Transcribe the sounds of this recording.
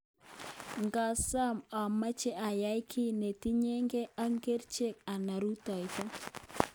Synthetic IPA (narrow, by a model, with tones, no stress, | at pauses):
ŋɡa˨sa˦mɔ˨ma˦t͡ʃe˦ʔa˨ja˨˦jkʰɪ˦ne˨ti˦ɲe˦ŋɡe˦a˦ŋɡe˦ɾt͡ʃe˦˨k̚a˨na˨ɾu˦tɔ˨jtɔ˦